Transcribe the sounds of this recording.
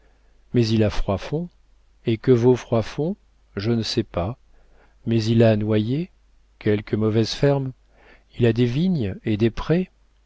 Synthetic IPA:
mɛzilafχwafɔ̃ | ekəvofχwafɔ̃ | ʒənəsɛpa | mɛzilanwaje | kʲɛlkəmɔvɛzfɛʁm | ilad̪eviɲed̪epχɛ

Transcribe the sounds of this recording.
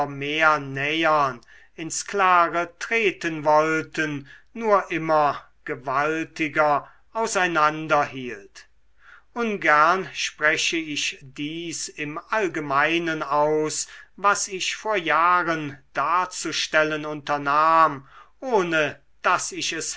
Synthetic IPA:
meːɐnɛjɐn | ɪnsklaːʁətʁ̥eːtənvɔltənːuːɐʔɪmɐ | ɡ̥əvaltɪɡɐ | ʔaʊsaɪnandɐɦiːlt | ʔʊnɡæɐnʃpʁ̥ɛʃəɪʃdiːsɪmʔalɡəmaɪnənaʊsvasɪʃfoːɐjaːʁənd̥aːɐt͡suʃtɛlənʊntɐnaːmʔoːnə | d̥asɪʃɛs

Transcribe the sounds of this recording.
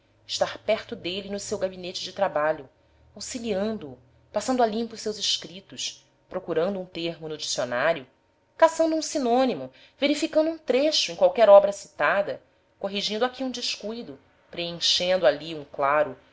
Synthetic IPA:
ɪʃt̪aɾpɛɾt̪ʊd̪elinʊsewɡabinet͡ʃɪd͡ʒɪt̪ɾabaʎʊ | awsiliɐ̃nd̪ʊː | pasɐ̃nd̪ʊalĩpʊsewzɪʃkɾit̪ʊʃ | pɾokuɾɐ̃nd̪ʊũt̪ehmʊnʊd͡ʒisionaɾjʊ | kasɐ̃nd̪uũsinõnimʊ | veɾifikɐ̃nd̪ʊũt̪ɾeʃʊẽj̃kwawkɛɾɔbɾɐsi̥t̪ad̪ɐ | koɦiʒĩnd̪ʊakʲiũd͡ʒiʃkujd̪ʊ | pɾeẽʃẽnd̪ʊaliũklaɾʊ

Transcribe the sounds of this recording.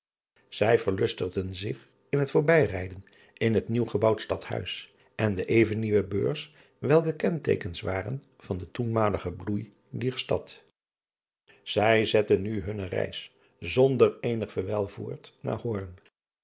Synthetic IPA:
z̥ɛjvəɹlɵstəʁdənzɪχ | ɪnɦətfʊːɹbɛjrɛjdən | ɪnɦətniwχəbɑwtstɑthœ̰ɥs | ʔɛndəʔejvənːiʋəbø̰ːɹs | ʋɛlˠkəkɛntḛjkənsʋaːrə̰n | v̥ɑndətunmaːləχəbluj | dɛɹstɑ̰t | z̥ɛjzɛtənːyɦɵnərɛ̰js | zɔndəɹejnəχfəɹʋɛlˠvṵːɹtna̰ːɹhɔɹn

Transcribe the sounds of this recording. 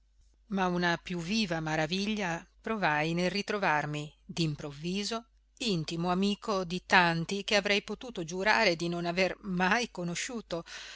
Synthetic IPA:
maunapjuvːiːvamaɾaviʎːapɾovajnelrit̪ɾovarmid̪impɾovːiːzo | int̪imoamiːkod̪it̪ant̪ikeavɾɛjpot̪uːt̪od͡ʒuɾaːɾed̪inonavermajkonoʃuːt̪o

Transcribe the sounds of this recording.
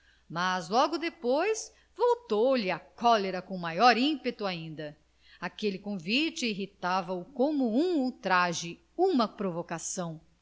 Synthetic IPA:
mazlɔɡʊd̪epojs | vowt̪owlɪɐkɔleɾɐkõmajɔɾĩpet̪ʊaĩnd̪ɐ | akelɪkõvit͡ʃɪiɦit̪avɐʊkõmʊũuwt̪ɾaʒɪ | ũmɐpɾovokasɐ̃w̃

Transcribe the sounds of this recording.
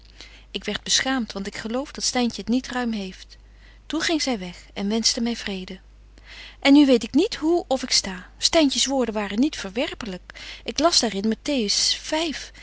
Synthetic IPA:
ɪkʋɛɹd̚bəsχaːmtʋɑntɪkχəlowvdɑtstɛjncəətnitrœɥmɦejft | tunχɪŋzɛjʋɛχɛnʋɛnstəmɛjvrejdə | ʔɛnːyʋejtɪknitɦuɔfɪkstaːstɛjncəsʋʊːɹdənʋaːrənitfəɹʋɛɹpələkʔɪklɑzdaːrɪnmatejəsfɛjf

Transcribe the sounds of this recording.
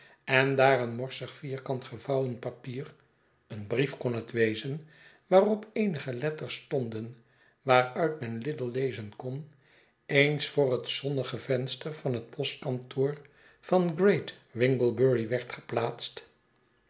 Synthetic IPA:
ɛndaːrənmɔɹsəχfiːɹkɑntχəvɑwənpapiːr | ənbrifkɔnɦətʋejzən | ʋaːrɔpejnəχəlɛtəɹstɔndən | ʋaːrœɥtmɛnlɪdəlˠlejzənkɔn | ejnsfʊːrɦətsɔndəχəvɛnstəɹv̥ɑnɦət̚pʰɔstkɑntʰoːɹ | v̥ɑnɡrejtʋɪŋɡəlˠbøɹiʋɛɹtχə̥plaːtst

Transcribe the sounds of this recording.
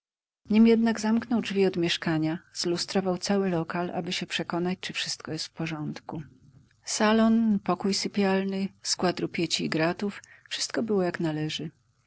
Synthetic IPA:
ɲimjɛd̪naɡzamknɔwdʐvʲiɔd̪mʲjɛʂkaɲazlust̪ɾɔvawt̪sawɘlɔkalʔa̰bɘɕɛpʂɛkɔnat͡ɕt͡ʂɘfʂɘst̪̚kɔjɛst̪fpɔʐɔnt̪ku | salɔnpɔkujsɘpʲjalnɘskwad̪ɾupʲjet͡ɕiːɡɾat̪uffʂɘ̥st̪̚kɔbɘwɔjaknalɛʐɘ

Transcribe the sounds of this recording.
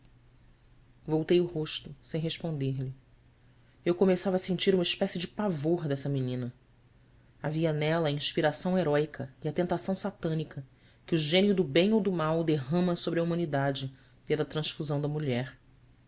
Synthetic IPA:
vowt̪ejʊhoʃt̪ʊsẽj̃ɦeʃpõnd̪eɾʎɪ | ewkomesavɐsẽnt͡ʃiɾũmɐiʃpɛsɪd͡ʒɪpavoɾd̪ɛsɐminĩnɐ | aviɐnɛlɐːĩʃpiɾasɐ̃w̃eɾɔjkʰɐiɐt̪ẽnt̪asɐ̃w̃sat̪ɐ̃nikʰɐ | kɪuʒẽniʊd̪ʊbẽj̃owd̪ʊmawd̪eɦɐ̃mɐsobɾɪɐumɐ̃nid̪ad͡ʒɪ | pelɐt̪ɾɐ̃ʃfuzɐ̃w̃d̪ɐmuʎɛɾ

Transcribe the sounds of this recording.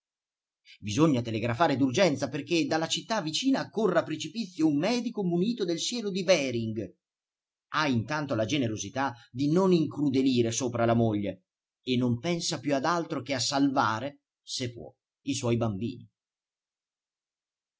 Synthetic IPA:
bizoɲːat̪eleɡɾafaːɾed̪urd͡ʒɛnt̪saperked̪alːat͡ʃit̪ːavːit͡ʃiːnakorːapːɾet͡ʃipit̪sːjoumːɛːd̪ikomuniːt̪od̪elsjɛːlod̪ibɛːɾiŋɡ | aint̪ant̪olad͡ʒeneɾozit̪ad̪inoniŋkɾud̪eliːɾesoːpɾalamoʎːe | enːompɛnsapjuad̪alt̪ɾok̟easːalvaːɾe | sepːwɔ̰ | iswɔjbambḭːnḭ

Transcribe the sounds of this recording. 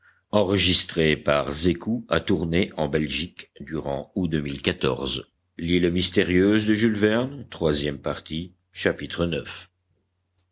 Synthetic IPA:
ɑ̃ʁəʒist̪χepaʁzekua̰t̪uʁneʔɑ̃bɛlʒikd̪yʁɑ̃ud̪ømilkat̪ɔ̰ʁz | lilmist̪eʁjøzd̪əʒylvɛʁnt̪χwazjɛmpaʁt̪i | ʃapit̪χənœf

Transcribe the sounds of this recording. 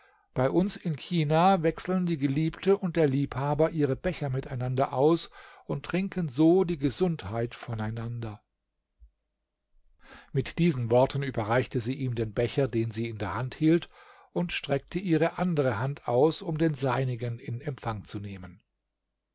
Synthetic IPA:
b̥aɪʔʊnsɪnçiːnaːvɛksl̩ndiːɡəliːptʰəʊnt̚d̥eːɐliːphaːbɐʔiːʁəbɛçɐmɪtaɪnandɐʔaʊsʊntːʁ̥ɪŋkənzoːdiːɡəzʊnthaɪtfɔnaɪnandɐ | mɪtd̥iːzn̩vɔɐtʰən̩yːbɐʁaɪçtəziːʔiːmdeːnbɛçɐdeːnziːɪndeːɐhanthiːlt | ʔʊntʃtʁ̥ɛk̚tʰəʔiːʁəʔandəʁəhantʰaʊsʊmdeːnzaɪnɪɡənɪnɛmpfaŋt͡suneːmən

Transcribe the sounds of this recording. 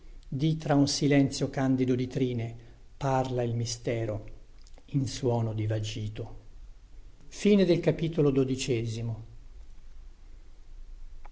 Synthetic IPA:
d̪it̪ɾaunsilɛnt̪sjokand̪id̪od̪it̪ɾiːne | parlailmist̪ɛːɾo | inswɔːnod̪ivad͡ʒiːt̪o | fiːned̪elkapiːt̪olod̪od̪it͡ʃɛːzimo

